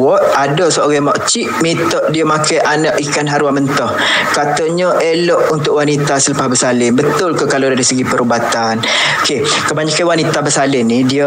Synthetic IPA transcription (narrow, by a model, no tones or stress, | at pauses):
ɔʔadəsəoɣamɔʔt͡ʃiʔmit̪ɔʔdiəmakajʔanəʔikanɦaɾwamənt̪ɔh | kat̪aɲəʔelɔʔunt̪ʊʔwanit̪asələpahbəsalɪnbət̪ʊlkəkalodaɾisəɡipəɾubat̪an | oke | kəbaɲakanwanit̪abəsalɪnːidiə